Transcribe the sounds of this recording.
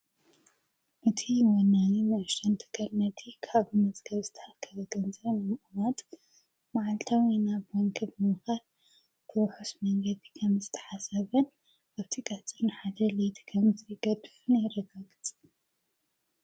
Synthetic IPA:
ʔɨt̪ʰiwɔnːaninɐʃɐnt̪ʰɨ̥kʰɐlnɐt̪ʰikʰaβmɐzʼɡɐβzɨt̪ʰɐ̥ħakʰːɐβɐɡɐnzɐβnɨmʔʼumat̪ʼ | maʕalt̪ʰawinabwɔŋkʰɨβɨmɨxal | b̥ʰɨwħusmɐŋɡɐd̪ikʰɐmzɨt̪ʰɐ̥ħasɐβɐn | aβt̪ʰikʼɐt͡sʼɨɾnɨħad̪ɐlet̪ʰi̥kʰɐmzɨɡɐd̪ɨ̥funajɾɐɡaɡɨt͡s̪ʼ

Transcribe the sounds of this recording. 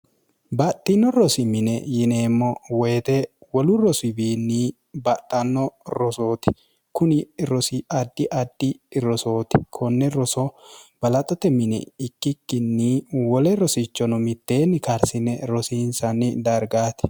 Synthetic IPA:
bɐt̪ʼːɪnːɔɾɔsɪmɪnɛjɪneːmːɔwɛːt̪ɛwɔlʊɾɔsɪbiːnːiː | bɐt̪ʼːɐnːɔɾɔso̞ːt̪ɪ̥ | kʊnɪɾɔsɪʔɐd̪ːɪʔɐd̪ːɪɾɔsoːt̪ɪkʰɔnːɛɾɔsɔb̥ɐlɐt̪ʼɔt̪ɛmɪnɛ̰ɪkːɪkːɪnːiwɔlɛɾɔsɪt͡ʃːɔnɔmɪt̪ːeːnːɪkɐɾsɪnːɛɾɔsiːnsɐnːɪd̪ɐɾɡaːt̪ɪ̥

